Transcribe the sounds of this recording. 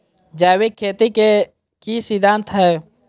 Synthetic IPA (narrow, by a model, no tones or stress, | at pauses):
d͡ʒaːwikkʰːeːt̪ike | kisid̪ʱãːnt̪ɦɛː